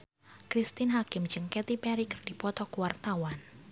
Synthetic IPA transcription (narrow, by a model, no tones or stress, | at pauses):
kɾist̪ɪnɦakɪmd͡ʒəŋkɛt̪ipɛɾikərd̥ipɔt̪ɔkuwart̪awan